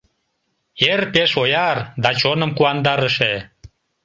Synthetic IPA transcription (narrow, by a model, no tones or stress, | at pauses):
erpeʃojɑrd̪ɑt͡ɕonəmkuɑnd̪ɑɾəʃe